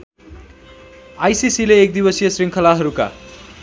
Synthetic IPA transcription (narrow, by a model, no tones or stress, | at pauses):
ajsisileːk̚d̪ibʌsijʌsriŋkʰʌlaɦʌɾuka̰